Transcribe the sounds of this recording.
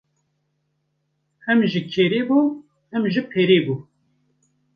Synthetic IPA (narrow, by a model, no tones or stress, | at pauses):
ɛmʒɨkʰeːɾeːbuː | ɛmʒɨpʰeːɾeːbuː